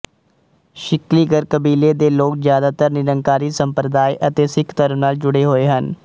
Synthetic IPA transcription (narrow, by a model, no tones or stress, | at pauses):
ʃɪkliːɡəɾkəbiːleːd̪eːloːkzjaːd̪aːt̪əɾnɪɾəŋkaːɾiːsəmpɾəd̪aːiʔət̪eːsɪkʰt̪əɾənaːld͡ʒʊɽeːɦoːeːɦən